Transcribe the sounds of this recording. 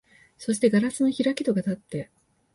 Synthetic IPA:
so̞ɕi̥t̪e̞ɡaɾasɨno̞çiɾakʲi̥t̪o̞ɡat̪at̪ːe̞

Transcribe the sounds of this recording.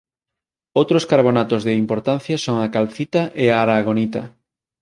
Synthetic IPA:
owt̪ɾoskaɾβ̞onat̪ozðeimpoɾt̪an̟θjɐsoŋakalθit̪aʔeaːɾaɣ̞onit̪ɐ̰

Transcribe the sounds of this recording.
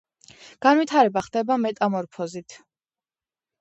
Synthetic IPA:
ɡ̥anwit̪ʰaɾɛbaχd̪ɛbamɛt̪ʼamɔɾpʰɔzit̪ʰ

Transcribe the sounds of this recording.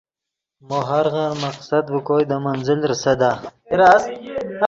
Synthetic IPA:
moɦaɾɣaɾmaqsad̪bəkojd̪əmanzɪlɾsad̪aɾa

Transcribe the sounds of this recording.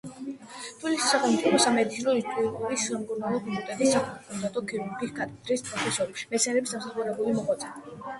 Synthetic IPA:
d̪̥ʰulisi̥saχɛmut̪sʼipʰɔsamɛd̪it̪sʰinɔit̪ʼuikʼuɾisːamkʼuɾnalˠɔpʰɔkult̪ʼɛt̪ʼisːaχɛkʰɔnd̪at̪ʼɔkʰiɾuɡisɡat̪ʼkid̪ɾispʼɾɔpʰɛsɔɾɛpʃi̥mɛt̪sʰɛnɾɛbisd̪ams̬aχuɾɛbulimɔχwat̪sʼa

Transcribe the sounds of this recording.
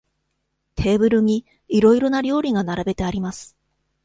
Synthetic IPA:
t̪ʰe̞ːbɯ̟ɾɯ̟ɲ̟iː | ɾo̞iɾo̞naɾʲo̞ːɾʲiɡanaɾabe̞t̪e̞aɾʲimasɨ̥

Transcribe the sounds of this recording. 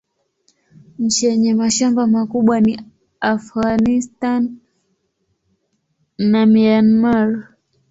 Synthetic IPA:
ɲ̩t͡ʃijɛɲɛmaʃambamakuɓwani | afɣanistan | amianmaɾ

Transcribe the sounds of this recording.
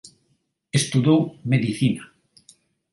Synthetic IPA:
est̪uðowmeðiθina

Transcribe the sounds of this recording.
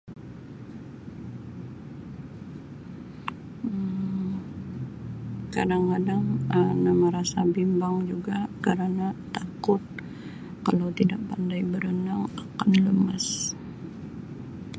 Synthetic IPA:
ə | kadaŋkadaŋənaməɾasabimbaŋd͡ʒuɡakəɾanat̪akʊt̪̚ | kalawt̪idaʔ̚pandajbəɾənaŋakanləmas

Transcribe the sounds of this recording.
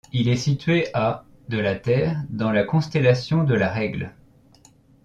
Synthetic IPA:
ilɛsit̪ɥeʔa | d̪əlat̪ɛːʁd̪ɑ̃lakɔ̃st̪ɛlasjɔ̃d̪əlaʁɛɡl

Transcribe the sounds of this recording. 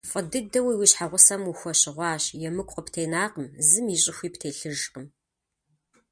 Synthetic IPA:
fʼɐdɨdɐwiwiɕħaʁʷʊsɐmuxʷɔɕɪʁʷɑːɕjɛmɨkʷʼqəptʰeːnaːqəmzɨmiːɕʼɪxʷiːptʰeːɬɨʒqəm

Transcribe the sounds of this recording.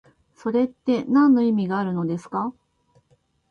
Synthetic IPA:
so̞ɾe̞t̪ːe̞nãnːo̞imʲiɡaːɾɯ̟no̞d̪e̞sɨ̥ka

